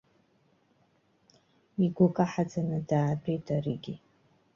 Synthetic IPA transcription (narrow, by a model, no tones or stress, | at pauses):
iɡʷʊkʼaħad͡zanɨdaːpʰʼejtʰʼariɡʲi